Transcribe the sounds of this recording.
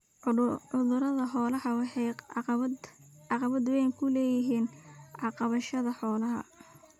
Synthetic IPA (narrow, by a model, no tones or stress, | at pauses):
ʊðʊɾɐðɐħɔːlɐhɐwɑħɛj | ʕɑqɑβɐd̪wɛjkʰʊlɛːjɪɦiːnʕɑqɑβɐʃɐðɐħɔːlɐɦɐ̰